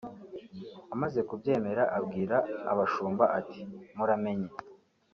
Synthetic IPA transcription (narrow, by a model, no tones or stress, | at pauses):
amaze̞kubɟe̞ːme̞ɾaʔabɡiːɾaa̰βaʃuːmbaʔatʰi̥muɾame̞ɲe